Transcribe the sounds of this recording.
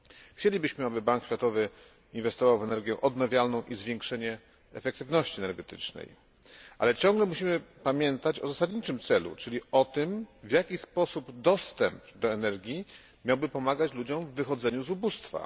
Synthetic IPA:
xt͡ɕelʲibɘɕmɘabɘbaŋkɕʲfʲat̪ɔvɘ | invɛst̪ɔvawvɛnɛɾɡʲjɛ̃ʔɔd̪navʲjalnɔ̃w̃ʔizvʲjeŋkʂɛɲɛ | ɛfɛkt̪ɘvnɔɕt͡ɕiɛnɛɾɡɛt̪ɘ̰t͡ʂnɛ̰j | ʔa̰lɛt͡ɕɔ̃ŋɡlɛmuɕimɘpamʲjɛnt̪at͡ɕɔzasad̪ɲit͡ʂɘmt̪sɛlṵt͡ʂɘlʲiɔt̪ɘmvjakʲispɔsubd̪ɔst̪ɛmpd̪ɔɛnɛɾɡʲji | mʲjawbɘpɔmaɡat͡ɕlud͡ʑɔ̃mvːɘxɔd̪zɛɲuzubust̪fa̰

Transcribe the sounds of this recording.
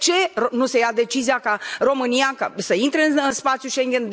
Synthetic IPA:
t͡ʃe̞ronuse̞jad̪e̞t͡ʃizijakaro̞mɨnijakasəint̪ɾe̞ɨnɨspat̪sjuʃeŋɡʲe̞nd̪

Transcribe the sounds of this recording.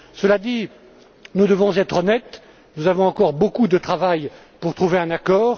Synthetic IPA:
səlad̪i | nud̪əvɔ̃zɛt̪χɔnɛt̪ | nuzavɔ̃ɑ̃kɔʁbokud̪ət̪χavaj | puʁt̪χuveɛ̃nakɔːʁ

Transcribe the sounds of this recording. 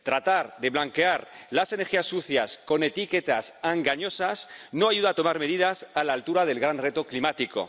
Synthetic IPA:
t̪ɾat̪aɾðe̞βlaŋke̞aɾlase̞ne̞ɾxiasːuθjasko̞ne̞t̪iket̪asaŋɡaɲo̞sasnoaʝuð̞aːt̪o̞maɾme̞ðiðasalaːlt̪uɾaðe̞lɣɾanret̪oklimat̪iko̞̰

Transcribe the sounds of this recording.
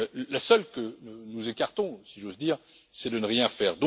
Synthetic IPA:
lasœlkənuzekaʁt̪ɔ̃siʒozd̪iːʁ | sɛd̪ənəʁjɛ̃fɛːʁd̪ɔ̃

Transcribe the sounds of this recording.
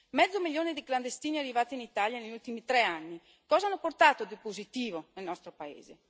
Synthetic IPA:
mɛd̪zːomiʎːoːnid̪ikland̪est̪iːniarːivaːt̪init̪aljaneʎːult̪imit̪ɾɛanːi | kɔːzaanːoport̪aːt̪od̪ipozit̪iːvonelnɔst̪ɾopaḛːze

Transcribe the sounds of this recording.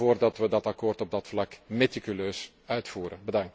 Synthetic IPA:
oːrdɑtʋədɑtɑkoːrtɔb̚dɑtflɑkmetikyløːs | œɥtfuːɾənbədɑŋt

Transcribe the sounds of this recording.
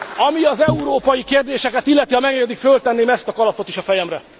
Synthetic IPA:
ɒmiɒzɛuɾoːpɒjikeːrd̪eːʃɛkɛt̪ilːɛt̪ihɒmɛɡɲɡɛd̪ikfølt̪ɛnːeːmɛst̪ɒkɒlɒpo̞t̪iʃɒfɛjɛmrɛ

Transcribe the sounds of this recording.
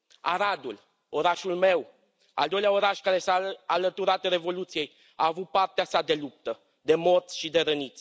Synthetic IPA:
aɾad̪ul | o̞ɾaʃulme̞w | a̰ld̪o̞jleao̞ɾaʃkaɾe̞saːlət̪uɾat̪ɾe̞vo̞lut̪sije̞j | aːvut̪̚part̪easad̪e̞lup̚t̪ə | d̪e̞mo̞rt̪sʃid̪e̞ɾənit̪sʲ

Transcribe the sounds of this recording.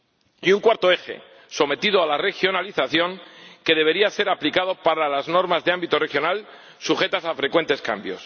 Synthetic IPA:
iuŋkwaɾt̪o̞e̞xe̞̰ | so̞me̞t̪ið̞oalare̞xjo̞naliθaθjo̞ŋke̞ð̞e̞β̞e̞ɾiase̞ɾaplikaðo̞paɾalazno̞ɾmazðeambit̪o̞re̞xjo̞nal | suxe̞t̪asafɾe̞kwe̞nt̪e̞ska̰mbjo̞̰s

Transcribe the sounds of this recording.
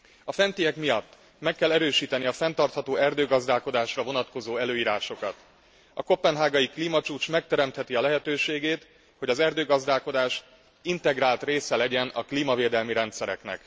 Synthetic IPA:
ɒfɛnt̪ijɛkmijɒt̪ː | mɛkːɛlːɛɾøːʃiːt̪ɛniɒfɛnt̪ɒrt̪hɒt̪oːɛrd̪øːɡɒzd̪aːlko̞d̪aːʃrɒvo̞nɒt̪ko̞zoːɛløːiːɾaːʃo̞kɒt̪ | ɒko̞pːɛnɦaːɡɒjikliːmɒt͡ʃuːt͡ʃmɛk̚t̪ɛɾɛmt̪hɛt̪iɒlɛɦɛt̪øːʃeːɡeːt̪ | ho̞ɟɒzɛrd̪øːɡɒzd̪aːlko̞d̪aːʃ | int̪ɛɡɾaːlt̪reːsɛlɛɟɛnɒkliːmɒveːd̪ɛlmiɾɛnt̪sɛɾɛ̰knɛ̰k

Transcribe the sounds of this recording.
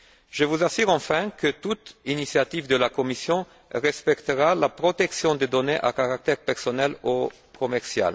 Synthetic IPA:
ʒəvuzasyʁɑ̃fɛ̃kət̪ut̪inisjat̪ivd̪əlakomisjɔ̃ | ʁɛspɛkt̪əʁalapʁot̪ɛksjɔ̃d̪ed̪oneʔakaʁak̚t̪ɛʁpɛʁsonɛlo | komɛʁsja̰l

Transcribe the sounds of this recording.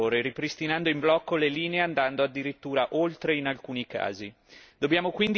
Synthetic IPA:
oːɾeɾipɾist̪inand̪oimblɔkːoleliːneeand̪and̪oad̪ːiɾit̪ːuːɾaʔolt̪ɾeinalkuːnika̰ːzi | d̪̥objaːmokwind̪

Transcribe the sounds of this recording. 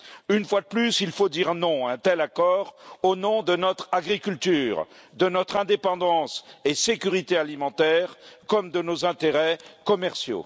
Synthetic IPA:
ynfwad̪əplysilfod̪iʁnɔ̃ɛ̃t̪ɛlakɔːʁonɔ̃d̪ənɔt̪χaɡʁikʲylt̪yːʁ | d̪ənɔt̪χɛ̃d̪epɑ̃d̪ɑ̃sesekʲyʁit̪ealimɑ̃t̪ɛʁkɔmd̪ənozɛ̃t̪eʁɛkɔmɛʁsjo̰

